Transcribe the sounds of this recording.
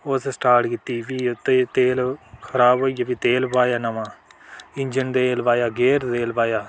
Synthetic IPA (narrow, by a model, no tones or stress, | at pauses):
ossʈaːɾʈkɪt̪ːiːʋiːt̪et̪eːlkʰəɾaːbɦoːiaːbiːt̪eːlbaːjaːnəmãːɪɲd͡ʒənd̪eːlbaːjaːɡeːɾd̪eːlbaːjaː